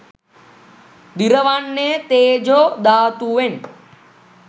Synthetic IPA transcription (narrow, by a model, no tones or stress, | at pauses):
d̪iɾɐʋanːet̪eːd͡ʒoːd̪aːt̪uʋen